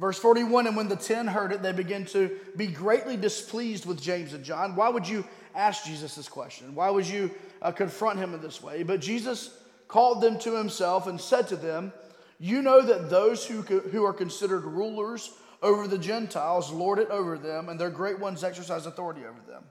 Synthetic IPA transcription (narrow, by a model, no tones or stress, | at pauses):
vɜ˞sfɔɹɾiwʌ̃nɨ̃nwə̃nðɨtʰɪ̃nɦɜ˞ɾɨt̪̚ðeɪbɨɡɪ̃ntʰɨbiɡɹeɪʔˡlidɨspʰlizd̚wəðd͡ʒẽɪ̃mzɨ̃nd͡ʒɑ̃nwaɪwəd͡ʒɨ | æsk̚d̥ʒ̥izɨsðɪz̥kʰw̥ɛ̰st͡ʃɨ̃nwaɪwɨd͡ʒɨkɨ̃ɱfɹʌ̃nt̚hɨ̃mɨ̃nðɪswḛɪbʌt̚d̥ʒ̥izʌs | kʰɔlˠd̪̚ðɨ̃mtʰɨhɨ̃msɛlˠfɨ̃nsɛd̚tʰɨðɨ̃m | jɨnoʊðɨt̪̚ðoʊz̥hʉɦʉə˞kɨ̃nsɪɾə˞d̚ɹulˠə˞z | oʊvə˞ðɨd͡ʒɛ̃ntʰaɪlˠzlɔɹɾɨɾoʊvə˞ðɨ̃mə̃nðə˞ɡɹeɪt̚wʌ̃nzɛksə˞s̬aɪzdəθɔɹəɾio̰ʊvə˞ðə̰̃m